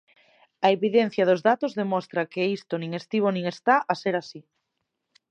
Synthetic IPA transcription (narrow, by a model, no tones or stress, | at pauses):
ɐeβiðen̟θjɐðʊzðat̪ozðemɔst̪ɾɐkeist̪onĩŋest̪iβ̞onĩŋest̪aʔaseɾasi